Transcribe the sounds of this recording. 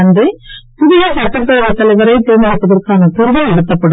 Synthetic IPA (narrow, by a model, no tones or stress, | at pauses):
ɐnd̪ɯpʊðɪjɐsɐʈːɐpːɐɽɐʋɐt̪ːɐlɐɪʋɐɾɐɪp̪eːmɐɽɯpːɐðɐɾkaːnɐt̪ʊɾðɐɐɽɯt̪ːɐpːɐɽ